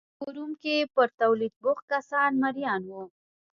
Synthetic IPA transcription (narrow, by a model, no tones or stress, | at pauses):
uɾumkepəɾt̪awlid̪̚bʊxkasɑnmaɾjɑnwu